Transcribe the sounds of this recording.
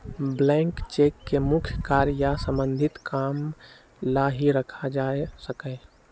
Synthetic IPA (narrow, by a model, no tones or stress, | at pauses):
blɛ̃ŋkt͡ʃekːemʊkʰjkaɾjasə̃mbə̃nd̪ʱɪt̪kaːm | laɦiɾəkʰad͡ʒasəkɛ